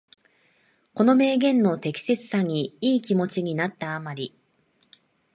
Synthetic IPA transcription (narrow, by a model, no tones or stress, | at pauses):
ko̞no̞me̞ːɡẽ̞nːo̞t̪e̞kʲi̥se̞t͡sɨ̥saɲ̟iiːkʲimo̞t͡ɕiɲ̟inat̪ːaːmaɾʲi